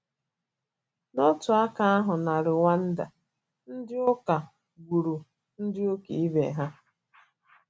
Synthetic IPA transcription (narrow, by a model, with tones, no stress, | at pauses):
no˦tʊ˨a˦ka˦a˦ɦʊ˨na˨ɾɪ˨ŋʷa˦n̩˦da̰˨ | n̩˦dɪ˦o˦ka˨ | ɡʷu˨ɾu˨ | n̩˦dɪ˦o˦ke˨i˦bḛ˨ɦa˦